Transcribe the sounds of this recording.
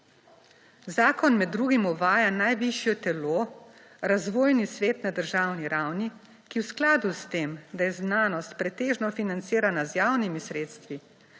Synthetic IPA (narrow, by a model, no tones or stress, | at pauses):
zaːkɔnmɛd̪ːɾuːɡimɔʋaːjanajʋiʃjɔt̪ɛloː | ɾazʋoːjnisʋeːt̪nad̪əɾʒaːwniɾawni | kiwsklaːd̪ust̪eːmd̪ajɛznaːnɔst̪̚pɾɛt̪eːʒnɔfinant̪siːɾanazjaːwnimisɾeːt̪st̪ʋi